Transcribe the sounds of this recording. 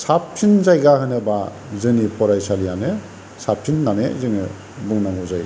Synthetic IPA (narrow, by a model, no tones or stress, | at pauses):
saptʰinzajɡahɯnɯba | zɯnipɔɾajsalijanɯ | sap̚ʰinːanezɯni | buŋnaŋɔzaj